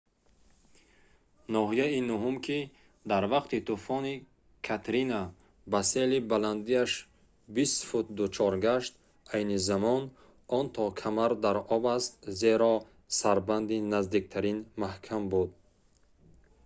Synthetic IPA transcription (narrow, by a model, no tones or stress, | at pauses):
nɔɦijainuɦumkʰʲi | d̪aɾvaqt̪it̪ufɔni | kʰat̪ɾina | baselibaland̪iaʃ | bist̪fut̪̚d̪ut͡ʃʰɔɾɡaʃt̪ | ajnizamɔn | ɔnt̪ʰɔkʰamaɾd̪aɾɔbast̪zeɾɔ | saɾband̪inazd̪ik̚t̪ʰaɾinmahkʰambud̪̚